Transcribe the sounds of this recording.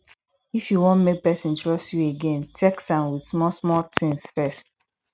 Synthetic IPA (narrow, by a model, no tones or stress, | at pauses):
ifjuwõnmek̚pɛsĩntɹ̥ɔstjueɡẽntʰɛksãnwidsmɔsmɔtɪ̃ŋsfɛst